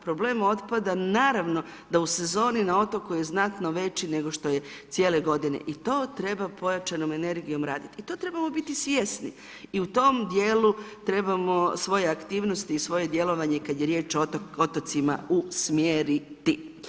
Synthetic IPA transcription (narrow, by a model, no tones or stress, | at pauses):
pɾo̞ble̞ːmo̞t̪pad̪anaːɾaʋno̞ | d̪ause̞zo̞ːninao̞t̪o̞kuje̞znat̪no̞ʋe̞t͡ɕine̞ɡoʃt̪o̞je̞t̪sjeːle̞ɡo̞d̪inḛʔit̪o̞ːt̪ɾe̞bapo̞jat͡ʃano̞me̞ne̞ɾɡijo̞mɾaːd̪it̪iit̪o̞ːt̪ɾe̞bamo̞bit̪isʋje̞sni | iut̪o̞md̪jeːlut̪ɾe̞bamo̞sʋo̞je̞akt̪iːʋno̞st̪iːsʋo̞je̞d̪je̞lo̞ʋaɲe̞kad̪jeɾje̞ːt͡ʃoot̪ot̪sima̰usmjeːɾit̪i